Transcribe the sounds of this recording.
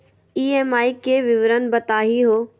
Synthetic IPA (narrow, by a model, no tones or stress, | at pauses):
iːeːmaːikeʋɪʋɾənbɐt̪aːɦiɦoː